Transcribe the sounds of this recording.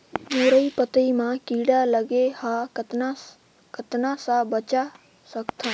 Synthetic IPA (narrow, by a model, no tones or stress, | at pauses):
uɾəjpət̪əimakiɽaləɡehat̪na | kət̪nasabət͡ʃa | səkt̪ʰə̃